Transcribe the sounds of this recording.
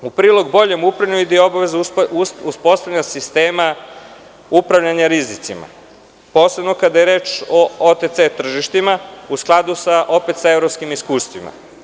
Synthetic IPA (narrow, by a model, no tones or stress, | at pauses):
upɾiːlˠo̞ɡbo̞ʎemupɾavʎaɲuid̪ijobaʋezususpo̞st̪avʎeɲasist̪eːma | upɾavʋʎaɲaɾizit̪sima̰ | po̞ːsebno̞kad̪ajeɾe̞ːt͡ʃoot̪et̪set̪r̩ʒiʃt̪imausklˠad̪usaʔo̞pe̞t̪saevɾopskimiskuːst̪ʋima̰